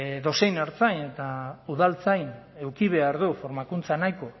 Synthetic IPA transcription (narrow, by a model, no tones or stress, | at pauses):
ðo̞sejnaɾt͡sajne̞t̪auðalt͡sajn | e̞wkiβe̞aɾðufo̞ɾmakunt͡sanajko